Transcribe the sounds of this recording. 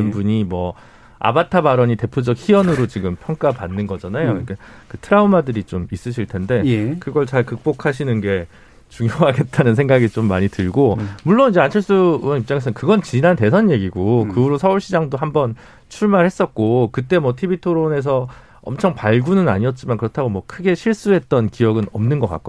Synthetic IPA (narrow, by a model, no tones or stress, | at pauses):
ɯnbuɲimwʌ | a̰batʰabaɾʌɲite̞pʰjod͡ʑʌk̚çiʌnɯɾot͡ɕiɡɯmpʰjʌŋk͈apanːɯnɡʌd͡ʑanajoik͈ʰakɯtʰɯɾaumadɯɾit͡ɕomis͈ɯɕʰiɭtʰe̞nde̞kɯɡʌɭt͡ɕaɭkɯk̚p͈okʰaɕ̬ʰinɯnɡe̞ | t͡ɕuŋjoɦaɡe̞t̚t͈anɯnsʰe̞ŋɡaɡit͡ɕomːaɲitɯɭɡomuɭːonid͡ʑe̞ant͡ɕʰʌɭs͈uwʌnip̚t͡ɕ͈aŋesʌekɯɡʌnt͡ɕinante̞sʰʌnje̞ɡiɡokɯuɾosʰʌuɭɕʰid͡ʑaŋdoɦambʌn | t͡ɕʰuɭmaɾhe̞s͈ʌt̚k͈okɯt͈e̞mwʌtʰibitʰoɾone̞s̬ʰʌ | ʌ̰mt͡ɕʰʌŋpaɭɡunɯna̰ɲiʌt̚t͡ɕ͈imankɯɾʌtʰaɡomwʌkʰɯɡe̞ɕʰiɭs͈uɦe̞t̚t͈ʌnkiʌɡɯnʌ̰mnɯnɡʌk͈a̰k͈̚o